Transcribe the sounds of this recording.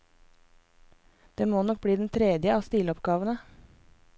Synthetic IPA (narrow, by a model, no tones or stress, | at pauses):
d̪̥eːmoːnɔk̚bɽiːd̪nt̪ʰɾɛd̪jəɑːst̪iːlɔpɡɑːʋənə